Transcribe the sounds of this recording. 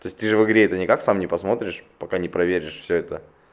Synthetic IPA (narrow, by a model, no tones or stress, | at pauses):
t̪oɪsʲt̪ɨʐɨvɨɡɾʲeɛt̪ənʲɪkaksamnʲɪpɐsmo̞t̪ɾʲɪʂpɐkanʲɪpɾɐvʲeɾʲɪʂfsʲɵɛt̪ə